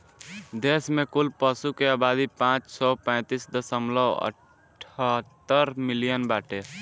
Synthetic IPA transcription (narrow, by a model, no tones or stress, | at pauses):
d̪esmẽkulpəsukeaːbad̪ipãt͡ʃsɔpə̃ɪt̪isd̪əsəmləə̰ʈʰ | ət̪ːəɾmilijənbaʈe